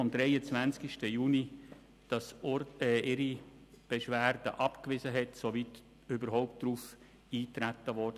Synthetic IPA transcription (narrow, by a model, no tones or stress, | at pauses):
ɔmd̥̪ɾɛɪət͡svænt͡skiʃtəjuːni | d̥ɑsɛʔɪɾi | b̥eʃʋæːɾd̥əʔɑpkvɪzəɦɛtsoviːt | ybəɾɦoʊp̚t̚d̥ɾuf | iːtɾætːəʋɔɾdə